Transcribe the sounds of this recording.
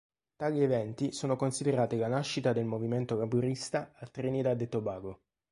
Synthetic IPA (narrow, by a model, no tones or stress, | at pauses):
t̪aːʎievɛnt̪isoːnokonsid̪eɾaːt̪ilanaʃːit̪ad̪elmoviment̪okabuɾist̪aat̪ɾenid̪ad̪et̪obaːɡo